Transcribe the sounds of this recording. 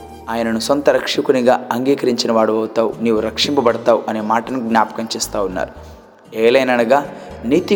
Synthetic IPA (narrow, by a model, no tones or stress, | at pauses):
aːjɐnɐnusont̪ɐɾɐkʂikuniɡaːɐŋɡiːkɐɾiɲt͡ʃinɐʋaːɽuɐwt̪aːwuniːwuɾɐkʂimpɐbɐɽɐt̪aːwuʔɐne̞ːmaːʈɐnuɡnʲaːpɐ̥kɐɲt͡ʃɛːst̪aːwunːa̰ːɾu | ɛːlɐjnɐɳɐɡaːniːt̪i